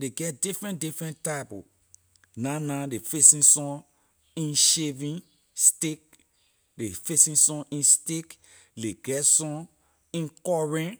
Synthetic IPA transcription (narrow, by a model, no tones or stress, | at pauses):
deɡɛt̚difɹɛ̃ndifɹɛ̃ntapu | nãnãdefesĩsɔ̃ | ĩnʃevĩn | stek̚ | defesĩsɔ̃ʔĩnstek | deɡɛtsɔ̃ | ĩnkɔɹɛ̃